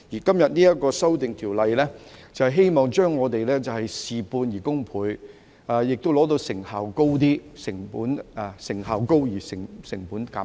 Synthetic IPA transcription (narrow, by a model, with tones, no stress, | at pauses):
jiː˨˩kɐ˥mjɐ˨t̚niː˥jɐ˥t̚kɔː˧sɐ˥wt̪ɪ˨ŋt̪ʰiː˨˩wlɐ˨jlɛː˥t͡sɐ˨hɛ˨jɦe˥jmɔː˨ŋt͡ʃœː˥ŋːɔː˨˧t̪e˨jlɛː˥t͡sɐ˨whɐ˨jsiː˨puː˧njiː˨˩kʊ˥ŋpʰuː˨˧j | aː˨jɪ˨k̚t̪o˥wlɔː˨˥t̪̬o˧wsɪ˨˩ŋhaː˨˩wko˥wt̪̬iː˥sɪ˨˩ŋpuː˨˥nɛ˧sɪ˨˩ŋhaː˨˩wko˥wjiː˨˩sɪ˨˩ŋsɪ˨˩ŋpuː˨˥nkaː˨˦˥